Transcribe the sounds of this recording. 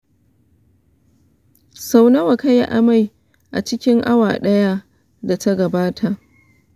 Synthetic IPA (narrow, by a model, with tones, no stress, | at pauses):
sa˦wnɐ˦wa˨ka˦ja̰˦ʔa̰˨ma˦j | ʔa̰˨t͡ʃɪ˦kʲɪ˦ŋʔa˦waː˨ɗɐ˦ja˦ | da˨ta˦ɡɐ˨baː˦tʰa˨ʔ